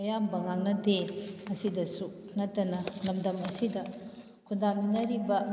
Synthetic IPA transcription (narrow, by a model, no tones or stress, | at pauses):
ɐjambɐŋaŋnɐdeɐsidɐsu | nɐtːɐnɐlɐmdɐmɐsidɐ | kʰundaminɐɾibɐ